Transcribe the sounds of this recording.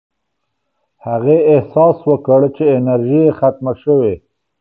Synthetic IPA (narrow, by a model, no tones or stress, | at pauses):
haɣeɪhsɑswəkəɽt͡ʃeɪnaɾʒijexat̪̚maʃəwe